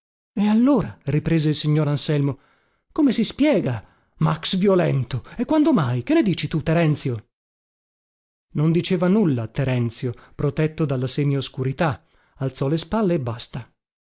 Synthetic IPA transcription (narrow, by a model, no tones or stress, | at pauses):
ealːoːɾaɾipɾeːzeilsiɲːoːɾansɛlmo | komesispjɛːɡa | maksvjolɛ̰nt̪oekːwand̪omajk̟enːed̪iːt͡ʃit̪ut̪ːeɾɛnt̪sjo | nond̪it͡ʃeːvanulːat̪ːeɾɛnt̪sjopɾot̪ɛt̪ːod̪alːaseːmjoskuɾit̪a | alt̪sɔlespalːeːbːast̪a